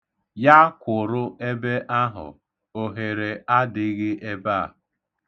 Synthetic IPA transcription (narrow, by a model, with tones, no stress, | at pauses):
ja˦kʷʊ˨ɾʊ˦e˦be˦ʔa˦ɦʊ̰˨ | o˨ɦe˨ɾe˨a˦dɪ˨˦ɣɪ˦ʔe˦ba˦˨